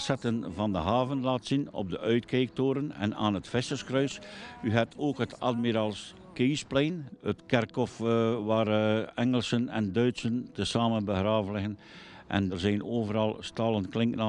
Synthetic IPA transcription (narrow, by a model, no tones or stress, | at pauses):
sɛtənvɑndə̰ɦaːvənlaːtsinɔ̰b̚dəʔœɥtkeːk̚toːɾənɛ̰na̰ːnətfɪstəskrœɥsyɦɛtʰoːkɦətʰɑ̰dmiɾaːlˠs | keːsplɛjnətkɛrkɔfʋaːrɛŋəlˠsənɛ̰ndœɥtsəntəsaːmənbəxraːvənlɪɣən | ʔɛ̰ndərzɛjnoːvəɾɑlˠstɑlˠənklɪŋkna